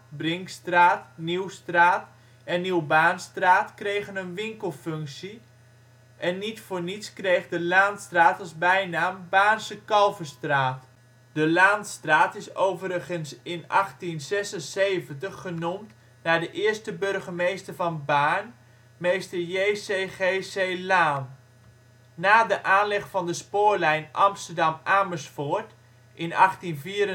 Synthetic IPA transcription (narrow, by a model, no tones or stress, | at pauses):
brɪŋkstraːtniwstraːt | ɛnːiwbaːnstraːtkrejχənənʋɪŋkəlˠfʏŋksi | ʔɛnːitfʊːɹnitskrejχdəlaːntstraːtɑlˠzbɛjnaːmbaːnsəkɑlˠvəstraːt | dəlaːntstraːtɪsowvəɾəχənsɪnɑχtinzɛsənsejvəntəχːənumt | naːdəʔɪəstəbørχəmejstəɹvɑnbaːn | mejstəɹjejseːχeseːlaːn | naːdəʔaːnlɪχfɑndəspʊːɹlɛjnʔɑmstəɹdɑmaːməsfoɹt | ʔɪnɑχtinviːɾə